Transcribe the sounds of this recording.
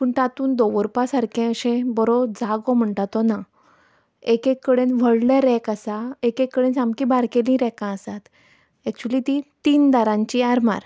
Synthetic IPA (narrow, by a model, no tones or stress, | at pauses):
puɳt̪at̪uːnd̪ɔʋəɾpasaɾkɛ̃əɕẽbɔɾɔd͡zaɡɔm̤əɳʈat̪ɔna | ekekːəɽenʋəɽleɾɛkasaekekːəɽẽnsamkĩbaɾkelĩɾɛkãəsat̪ | ɛk̚t͡ɕulit̪it̪iːnd̪aɾãɲt͡ɕiaɾma̰ɾ